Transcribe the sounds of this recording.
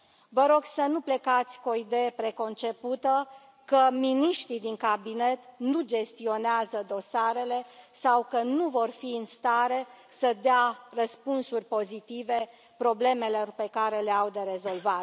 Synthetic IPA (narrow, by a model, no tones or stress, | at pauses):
vəɾo̞ɡsənuple̞kat̪sʲkuoid̪e̞jəpɾe̞ko̞nt͡ʃe̞put̪ə | kəminiʃt̪ɾid̪iŋkabine̞t̪nud͡ʒe̞st̪io̞neazəd̪o̞saɾe̞le̞sawkənuvo̞rfiɨnst̪aɾe̞ | səd̪earəspunsurʲpo̞zit̪ive̞ | pɾo̞ble̞me̞lo̞rpe̞kaɾe̞le̞awd̪e̞ɾe̞zo̞lvat